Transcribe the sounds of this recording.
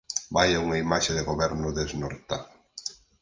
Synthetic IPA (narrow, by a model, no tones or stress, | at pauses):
bajauŋɐimaʃeðɪɣoβɛɾnʊðeznoɾt̪a